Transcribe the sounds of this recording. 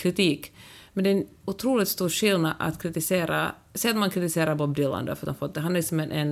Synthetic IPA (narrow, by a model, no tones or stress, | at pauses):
kʰɾɪt̪ʰiːkmɛnd̪ɛnʊt̪ʰɾuːlɪt̪st̪uːɾʂɪlnad̪a̰t̪kʰɾɪt̪ɪseːɾa̰ | sɛjat̪ɔmankʰɾɪt̪ɪseːɾaɾbɔb̚d̪ɪla̰nd̪ə̰fœɾt̪d̪ɔmfɔt̪̚ːd̪ɛɦanɪksɔmɛnʔɛn